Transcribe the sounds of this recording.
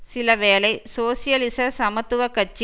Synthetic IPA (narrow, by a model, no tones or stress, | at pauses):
sɪlɐʋeːlɐɪsoːsijɐlɪsɐsɐmɐt̪ːɯʋɐkːɐt͡ʃːi